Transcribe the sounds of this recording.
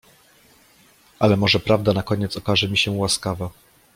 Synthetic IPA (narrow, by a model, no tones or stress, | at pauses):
ʔalɛmɔʐɛpɾavd̪anakɔɲɛt̪sɔkaʐɛmʲiɕɛwaskava